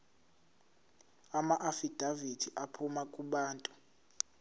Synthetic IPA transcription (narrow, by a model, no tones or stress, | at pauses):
amaʔafid̥ʱavitʰiʔapʰumakʼuɓaːntʼu̥